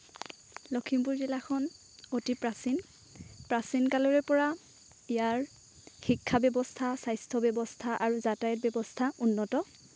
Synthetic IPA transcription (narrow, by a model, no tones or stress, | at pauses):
lɔkʰimpuɹzilakʰɔn | otipɹasin | pɹasinkalɔɹɛpɔɹa | ijaɹ | xikʰːabɛbɔstʰasajstʰɔbɛbɔstʰaʔaɹuzatajɔt̚bɛbɔstʰaʔunːɔtɔ